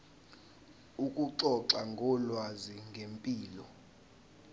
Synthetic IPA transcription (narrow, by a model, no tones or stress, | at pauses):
ukʼuǀɔǁaŋɡʱɔlwaziŋɡʱempʼiːlɔ